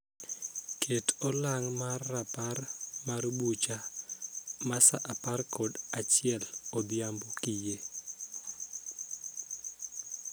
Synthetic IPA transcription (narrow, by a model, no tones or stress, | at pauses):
kʰetɔlaŋmarːaparmaɾbut͡ʃa | masa̰ʔaparkɔdat͡ʃɪɛlɔd̪jambokije